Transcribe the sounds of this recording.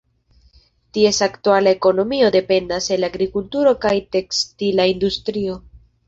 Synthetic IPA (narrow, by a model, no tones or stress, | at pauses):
tie̞saktualae̞ko̞no̞mio̞de̞pe̞ndase̞laɡɾikultuɾo̞kajte̞kstilaindustɾio̞